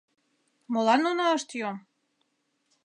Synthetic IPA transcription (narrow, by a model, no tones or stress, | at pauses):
molɑnːonɑəʃt̪jom